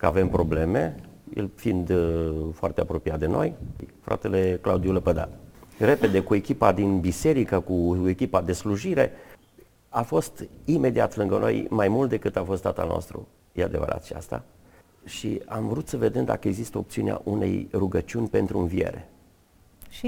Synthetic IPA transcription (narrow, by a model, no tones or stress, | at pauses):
kəave̞mpɾo̞ble̞mejelfind̪foart̪eapɾo̞pijat̪d̪e̞no̞jfɾʔa̰t̪e̞le̞kla̰ud̪iuləpəd̪a̰re̞ped̪e̞kue̞kʲipad̪inbise̞ɾikəkue̞kʲipad̪e̞sluʒiɾe̞ | afo̞st̪ime̞d̪iat̪lɨŋɡəno̞̰jmajmult̪d̪e̞kɨt̪afo̞st̪ːat̪a̰lno̞̰st̪ɾṵ | jead̪e̞və̰ɾʔa̰t͡ʃʃia̰st̪a̰ | ʃḭamvɾut̪səve̞d̪e̞md̪a̰kəe̞ɡzist̪əo̞pt̪siunea̰ʔune̞̰jruɡət͡ʃiunʲpe̞nt̪ɾuɨnvije̞̰ɾe̞̰ | ʃi